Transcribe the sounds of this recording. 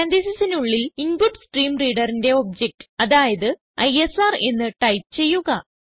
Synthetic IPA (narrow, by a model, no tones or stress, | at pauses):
ɐnd̪isisɐnuɭːilimbuʈsʈriːmriːɽɐrinde̞o̞b̚d͡ʑek̚ʈɨ̥ɐðaːjɐðɨ | ɐ̰jesaːre̞nːɨʈɐjp̚t͡ɕe̞jːuɣɐ